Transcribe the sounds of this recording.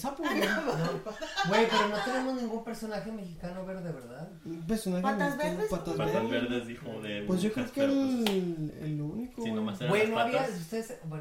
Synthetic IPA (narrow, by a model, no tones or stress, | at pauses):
sapoðobwepe̞ɾono̞t̪enemoznĩŋɡumpe̞ɾso̞naxeme̞xikanoβeɾðeβeɾðaðbeɾsonaxeaazβesswant̪azβesee | pwezʝokɾeoke | ḛlounikobwenoaβiaust̪eðese